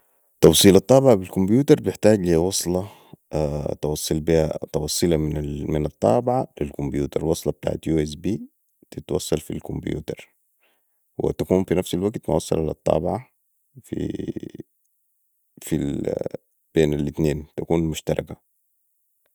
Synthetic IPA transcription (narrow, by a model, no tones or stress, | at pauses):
t̪ˤɑwsˤiːlɑt̪ˤːɑːbɪʕabilkʊmbjuːt̪ɑɾˤbɪħt̪aːɡlihawɑsˤlɑ | t̪ɑwɑsˤːɨlbihat̪ɑwɑsˤːɨlɑmɪnmɪnɑt̪ˤːɑ̰ːbɪʕalɪlkʊmbjuːt̪ɑɾˤwɑsˤlɑb̚t̪a̰ːʕat̪juːes̬biː | t̪ɪt̪wɑsˤːɑlfḭlkʊmbjṵːt̪ɑɾˤ | wɪ̰t̪akuːnfinafsalwaɡt̪ma̰wɑsˤːɑ̰lalɑ̰t̪ˤːɑ̰ːbɪʕa | fḭ | fi | b̥eːnalʔɪt̪neːnt̪akuːnmʊʃt̪ɑɾˤɑ̰ka